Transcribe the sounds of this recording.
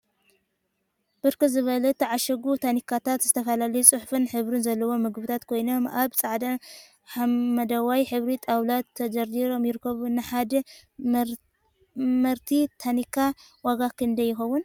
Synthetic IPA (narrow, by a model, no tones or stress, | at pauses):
b̥ɨɾkɨzɨβɐlɐt̪ʰːɐʕaʃɐɡut̪ʰanikʰat̪ʰat̪zɨt̪ʰɐfɐlalɐjut͡sʼɨħfɨnħɨβɾɨnzɐlːɐwo̞mɨɡbɨt̪ʰat̪kʰo̞jno̞maβt͡sʼaʕd̪ɐ | ħamɐd̪ɐwajħɨβɾit̪ʼawlat̪ʰːɐd͡ʒɐɾdiɾo̞mjɪɾɨkːɐβunɨħad̪ɐ | mɐɾt̪ʰit̪ʰanikʰːa | waɡakʰɨnd̪ɐjːɪxɐwʊn